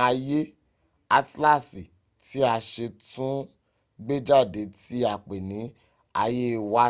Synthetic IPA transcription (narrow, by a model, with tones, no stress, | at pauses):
a˧je˦ | a˧tla˦˨si˨ | ti˦a˧ʃe˧tũ˦ | ɡ͡be˦d͡ʒa˦˨de˨˦ti˦a˨k͡pe˨nĩ˨˦ | a˧je˦˧wa˦